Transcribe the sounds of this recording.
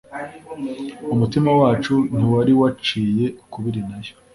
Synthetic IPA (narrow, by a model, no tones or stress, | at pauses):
umutimawaːt͡ʃun̥iwaɾiwat͡ʃiːje̞kuβiɾinajo̥